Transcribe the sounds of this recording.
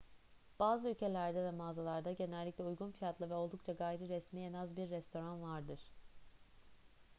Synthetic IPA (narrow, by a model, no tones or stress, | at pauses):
b̥aːzɯylʲcʰe̞lʲæɾd̪ɛvɛmaːzalˠaɾd̪aɟe̞nɛlʲːiclʲɛujɡunfijat̪lˠavɛo̞lˠd̪ukt͡ʃʰaɡaːjɾiɾɛsmijenazbiɾːɛst̪ʰo̞ɾanvaɾd̪ɯɾ̥